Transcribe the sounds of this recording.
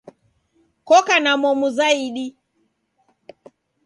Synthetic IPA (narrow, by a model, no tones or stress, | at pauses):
kɔkanamɔmuzaiɗi